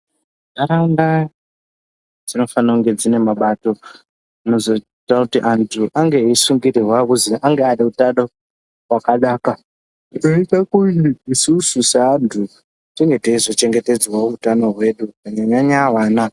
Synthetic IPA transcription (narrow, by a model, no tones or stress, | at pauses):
naɾaŋɡa | d͡zino̞fanakuŋɡe̞d͡zine̞maɓato̞ | ino̞zo̞t͡ʃitakutiʔantʰuʔaŋɡeisuŋɡiɾirwakuziʔaŋɡeaɗiutaɗo | wakaɗaːka | ninoitakuniisususeandʰu | tiŋɡe̞teizo̞t͡ʃe̞ŋɡe̞te̞d͡zwauutano̞ɦwe̞ɗuaɲaɲaɲawaːna